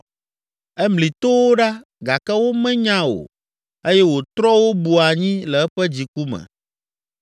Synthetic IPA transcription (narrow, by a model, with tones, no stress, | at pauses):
ɛ˦mli˨t̪o˦wo˦ɖa˦ | ɡa˨kɛ˦wo˦mɛ̃˦ɲã˦o̰˨ | e˦jɛ˦wo˨t̪ɾɔ˦wo˦bu˨a˨ɲĩ˦lɛ˨ɛ˦ɸɛ˦d͡ʑi˨ku˦mɛ̰̃˨